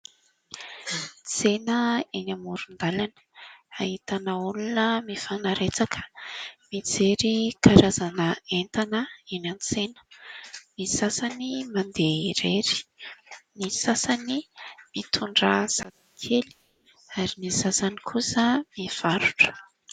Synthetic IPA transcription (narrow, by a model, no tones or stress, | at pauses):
t͡senəenamuɾund̪alan | ahit̪anaulunəmifanaɾet͡sakʰə̥mit͡seɾikʰaɾazanəent̪anəenanit͡senə̥misasanimand̪eiɾeɾi̥ | nisasanimit̪ʰuɳɖ͡ʐəz̥ad̪ikʰeli̥ | aɾinisasanikʰusəmiv̥aɾuʈ͡ʂə̥